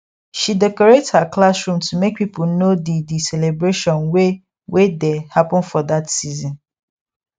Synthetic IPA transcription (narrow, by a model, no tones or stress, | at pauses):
ʃidɛkɔɹetshaklasɹũmtʰumek̚pipl̩nodidisɛlebɹeʃɔ̃nwe | wʔedehapə̃nfɔdatsizɔ̃n